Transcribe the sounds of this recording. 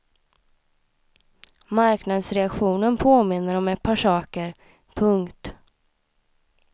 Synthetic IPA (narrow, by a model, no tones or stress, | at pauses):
maɾknad̪sɾɛakɧuːnənpʰoːmɪnːəɾɔmɛt̪̚pʰːaʂɑːkəɾ | pʰɵŋkt̪